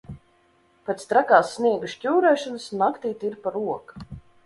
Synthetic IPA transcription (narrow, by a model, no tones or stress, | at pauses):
pɛt̪st̪ɾakaːsːniɛɡuʃcʲuːɾɛːʃɔnɨsnakt̪iːt̪iɾpaɾuɔk